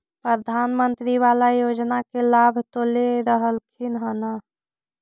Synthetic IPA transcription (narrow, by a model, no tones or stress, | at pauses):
pɾəd̪ʱanmənt̪ɾiʋalajod͡ʒnakelabʱt̪oleɾəɦəlkʰinɦəna